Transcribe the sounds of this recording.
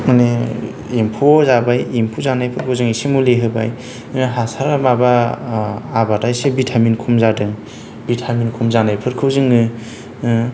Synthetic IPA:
mane | impʰozabajimpʰuzanajpʰɯɾkʰɯwzɯŋisimuleɦɯba̰j | inaɦasaɾamaba | abatajsebitʰaminkʰumzadɯŋ | bitʰaminkʰumzanajpʰɯɾkʰɯwzɯŋɯ

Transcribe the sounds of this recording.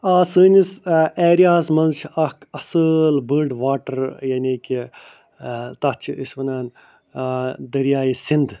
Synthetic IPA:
aːsɨːniseːɾijaːsmɐnt͡ʃʰiɐkʰɐsəlbəɾɖʋaːʈɐɾjɐniːki | t̪ɐt͡ʃʰiʔisʋɐnaːn | d̪ɐɾjaːisind̪

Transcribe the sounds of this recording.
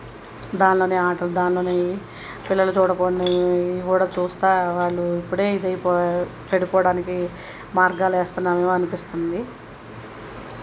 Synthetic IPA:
d̪aːnlo̞ːneːaːʈɐlud̪aːnlo̞ːneː | pilːɐlut͡ʃuːɽɐkoːɳːikuːɽaːt͡ʃuːst̪aːʋaːɭːuipːuɽe̞ːid̪ɐjipɔt͡ʃɐɽupɔːɽaːniki | maːɾɡaːleːst̪unːaːmeːmuɐnupist̪und̪i

